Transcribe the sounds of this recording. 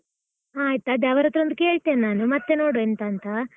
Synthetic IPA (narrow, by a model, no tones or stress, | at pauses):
aːjit̪ɐːd̪eɐʋɐɾɐt̪ːɾond̪uke̞ːɭt̪eːnːaːnumɐt̪ːenoːɽoent̪ɐːnt̪ɐ